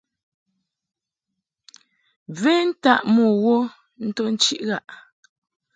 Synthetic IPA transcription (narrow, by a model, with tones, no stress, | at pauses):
ve˦n̩˦ta˦˨ʔmɔ˨ɣo˦ | n̩˦to˦n̩˦t͡ʃi˦ʔɣa˦ʔ